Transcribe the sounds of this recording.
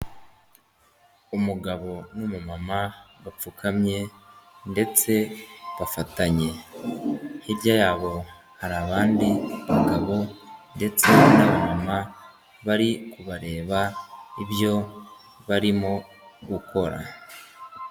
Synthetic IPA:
umuɡaβo̞numumamaɡap͡fukʰamɲe̞nde̞t͡se̞βafataɲe̞ | hibjajaːβo̞ | haɾaβaːndiaŋɡaβo̞nde̞t͡se̞naβamama | βaɾikuβaɾe̞ːβaiβjo̞ | βaɾimo̞ | ɡukʰo̞ɾa̰

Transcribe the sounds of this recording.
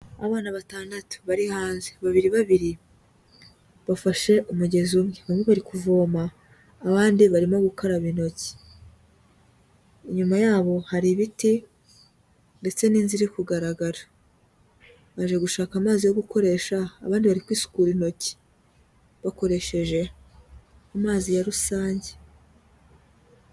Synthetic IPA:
aβaːnaβataːndatu̥βaɾihaːnzeβaβiɾiβaβiɾi | βafaʃe̞ʔumuɟe̞zumŋeβamŋeβaɾikuvo̞ːmaː | βaːndiβaɾimoɡukʰoɾaβino̞ci̥ | iɲumajaːβo̞haɾiβiti | nde̞t͡se̞niːnziɾikuɡaɾaɡaɾa | βaʒe̞ɡuʃaːkamaːzijo̞ɡuko̞ɾe̞ʃaːβaːndiβaɾikwiːsu̥kuːɾino̞ci̥ | βako̞ɾe̞ʃe̞ʒe̞ | amaːzijaɾusaːɲɟe̥

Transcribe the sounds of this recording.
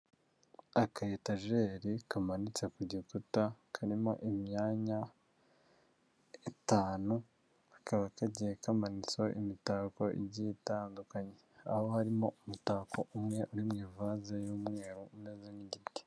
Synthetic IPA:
akajetaʒe̞ːɾikamanit͡sekuɟikutakʰaɾimo̞̰ʔimɲaːɲa | itaːnu | ḁkaβakaɟiekamanit͡so̞ʔḭmitaːko̞ʔḭbɟitaːndukaɲe̞aho̞haɾimo̞umutakʰo̞ʔumŋe̞ʔuɾimŋiːvazejuːmŋe̞ːɾoummezeniɟiti̥

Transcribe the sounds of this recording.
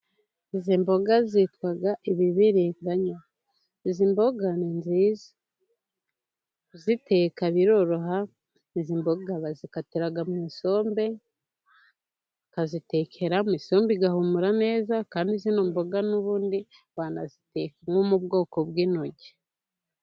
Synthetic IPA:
izimbo̞ɡazitwaɡaʔiβiβiɾiŋɡaɲa | izimbo̞ɡaninzizḁ | zite̞ːkaβiɾo̞ɾo̞ɦa | iziːmbo̞ɡaβazikatiɾaɡammiso̞ːmbe | kazite̞kʰe̞ɾammiso̞ːmbiɡahumuɾane̞ːzakaːndizinoːmbo̞ɡanuβuːndi | βaːnazitekamŋomubɡo̞ːkobɡiːno̞ɟe

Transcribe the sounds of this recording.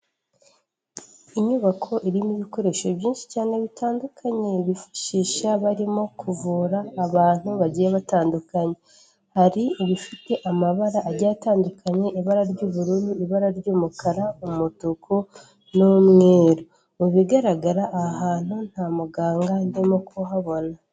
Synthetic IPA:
iɲuβakʰo̞ʔiɾimiβiko̞ɾe̞ʃo̞βɟiːnʃi̥caːne̞βitʰaːndukʰaɲe̞βifḁʃiːʃaβaɾimo̞kʰuvuːɾaːβaːn̥huβaɟijeβataːndukaɲe̞ | haɾieβifite̞ʔamaβaɾaʔːɟataːndukʰaɲe̞ʔiβaɾaɾɟoːβuɾuɾuiβaɾaɾɟoːmukaɾaumumutukʰo | nomŋe̞ːɾo | muβiɡaɾaɡaɾaʔːhaːn̥un̥hamuɡaːŋɡandimokʰoɦaβo̞na

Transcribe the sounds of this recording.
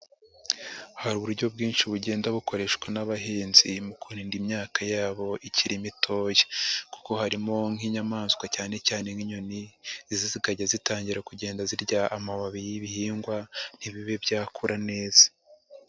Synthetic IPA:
haɾuβuɾɟo̞bɡiːnʃiβuɟe̞ːndaβuko̞ɾe̞ʃkwanaβaɦiːnzimukuɾiːndimɲaːkajaːβo̞ʔicʰiɾimitʰo̞ːje̥ku̥ko̞haɾimo̞ŋ̥hiɲamaːnzwacaːne̞caːne̞ŋiɲo̞nizzizikaɟazitaːɲɟiɾakuɟe̞ːndaziɾɟaːmaβaβijijiβihiːŋɡwan̥iβiβe̞bɟaːkʰuɾʔane̞ːz̥ḁ

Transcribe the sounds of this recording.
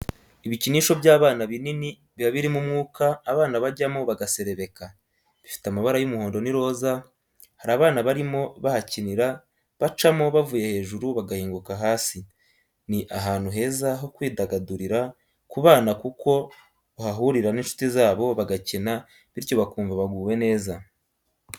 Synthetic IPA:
iβiciniːʃo̞βjaːβaːnaβinini | βjaβiɾimumŋuːkaːβaːnaβaɟamoβaɡase̞ɾe̞βe̞ka | βifi̥tamaβaɾajumuhoːndo̞niɾo̞ːza | haɾaːβaːnaβaɾimo̞βahaciniɾa | βat͡ʃamo̞βavuje̞he̞ːʒuɾuβaɡahiːŋɡukaɦaːsi | niʔaɦaːn̥huɦe̞ːzaɦo̞kwiːdaɡaduɾiɾa | kuβaːnakuko̞ | βahaɦuɾiɾaniːnʃu̥tizaːβo̞βaɡacena | βiɾjo̞βakuːɱvaβaɡuːwe̞ne̞ːza

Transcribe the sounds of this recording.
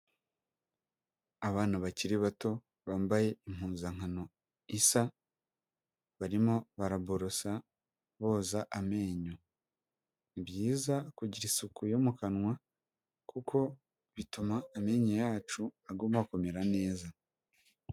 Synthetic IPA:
aβaːnaβaciɾiβato̞ | βaːmbaje̞im̥huːnzaŋ̥hano̞ | isa | βaɾimo̞βaɾaboɾosa | βo̞ːzaʔame̞ːɲo | bjiːzakuɟiɾisukujo̞mukanŋwa | kukʰo̞ | βitumaːme̞ːɲojaːt͡ʃuaɡumako̞me̞ɾane̞ːza

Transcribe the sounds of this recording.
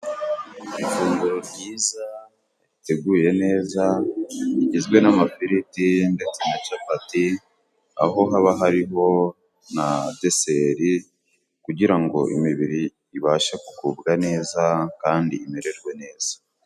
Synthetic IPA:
ifuːŋɡuɾobɟiːza | ite̞ɡuːje̞ne̞ːzaiɟizɡwe̞namafiɾitiŋɡetinat͡ʃapati | a̰ɦo̞ɦaβaɦaɾiɦo̞ | nade̞seɾi | kuɟiɾaŋɡo̞̰ʔḭmiβiɾiː | βaːʃaku̥kuːbɡane̞ːzakaːndiːmeɾe̞ɾɡwe̞ne̞ːz̥ḁ

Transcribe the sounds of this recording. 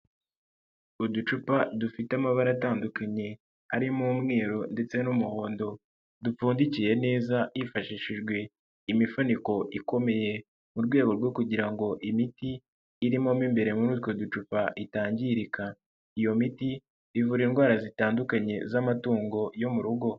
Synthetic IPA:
udut͡ʃupadufitamaβaɾataːndukaɲe̞ | aɾimuːmŋe̞ːɾo̞nde̞t͡se̞numuho̞ːndo̞ | dup͡fuːndicije̞ne̞ːzaifaʃiʃiʒɡwe̞ | imifuniko̞ʔiko̞me̞je̞ | muɾɡwe̞ːɡo̞ɾɡo̞kuɟiɾaŋɡo̞ʔimitiː | ɾimo̞mimbe̞ɾe̞muɾuːtwo̞dut͡ʃupaʔitaːɲɟiɾika | ijo̞miti | ivuɾinɡwaːɾazitaːndukaɲe̞̰zamatuːŋɡo̞jo̞muɾuɡo̞

